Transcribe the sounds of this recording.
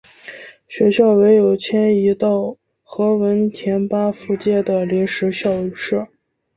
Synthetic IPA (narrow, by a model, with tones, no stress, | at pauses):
ɕɥɛ˧˥ɕjɑ˥˩ʊwe˧˥ɪjo˨˩ʊt͡ɕʰjɛ˥ni˧˥t̪ɑ˥˩ʊ | xɤ˧˥wə˧˥nt̪ʰjɛ˧˥npa˥fu˥˧t͡ɕjɛ˥˩d̪ə˩li˧˥nʂɻ̩˧˥ɕjɑ˥˧ʊ˧˥ʂɤ˥˩